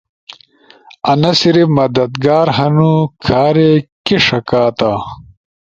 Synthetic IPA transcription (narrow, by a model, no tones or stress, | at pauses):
ɐnɐsiɾimɐd̪ɐd̪ɡaːɾɦɐnukʰaːɾekiʂɐkaːt̪a